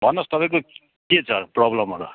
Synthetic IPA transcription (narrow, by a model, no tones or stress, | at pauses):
bʱʌnːost̪ʌpaĩko | ket͡sʰʌprʌblʌmʌɾṵ